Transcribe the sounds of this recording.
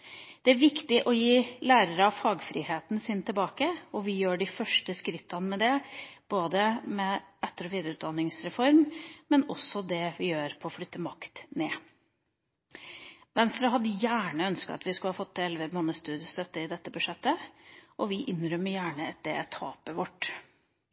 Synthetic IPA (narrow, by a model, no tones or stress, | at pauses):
d̪̥ɛæɾʋɪkt̪ɪʔɔjiːlæːɾəɾəɑʋfɑːɡfɾɪheːt̪nsɪnt̪ʰɪlbɑːkəɔʋɪjøːɖɪfœʂʈəskɾɪt̪ːɑnmɛd̪ɛb̥oːd̪əmɛʔɛt̪ːəɾɔʋiːd̪əɾəʉːt̪d̪ɑnːɪŋsɾɛfɔɾmmɛnɔsːɔd̪ɛʋɪjøːɾpʰɔːflʏt̪ːəmɑkt̪neː | ʋɛnst̪ɾɑɦɑd̪ːəjæːɳəœnskəɑ̰t̪ʋɪskʉlhɑːfɔt̪ːɛlʋəmɑnːəst̪ʉːd̪ɪəst̪œt̪ːəɪd̪ɛt̪ːəbʉʂɛt̪ːəʔɔʋɪʔɪnːɾœmːəjæːɳət̪̚d̪ɛ̰t̪ʰɑ̰ːpəʋɔʈː